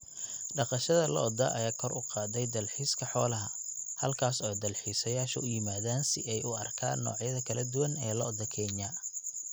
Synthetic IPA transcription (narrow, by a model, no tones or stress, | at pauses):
ɖɑqɑʃɐðɐlɔ̰d̪ɐʔɐjaːkʰɔrʔʊqɑːd̪ɛjd̪ɐlħiːskʰɐħɔːlɐɦɐ | hɐlkʰaːsɔːd̪ɐlħiːsɐjaːʃɐ̰ʔʊjɪmaːðaːnsɪ̰ʔɛjʊɐrkʰa̰ːnːɔ̰ːʕjɐðɐkʰɐlɐd̪ʊwɐnɛːlɔd̪ɐkʰɛːɲɐ